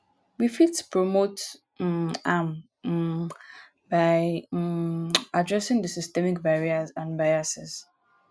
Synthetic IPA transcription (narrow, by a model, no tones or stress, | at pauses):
wifidspʰɹɔmot | am | baɪ | adɹɛsɪ̃ŋdəsɪstɛmɪkbaɹiəzãnbajasɪz̥